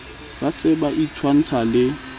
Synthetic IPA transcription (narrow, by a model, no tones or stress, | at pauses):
basɪbaʔit͡sʰwan̩t͡sʰalɪ